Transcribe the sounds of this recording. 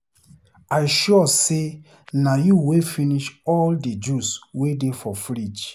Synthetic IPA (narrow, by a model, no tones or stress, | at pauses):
ajʃɔse | najuwefiniʃɔlded͡ʒuswedefɔfɾid͡ʒ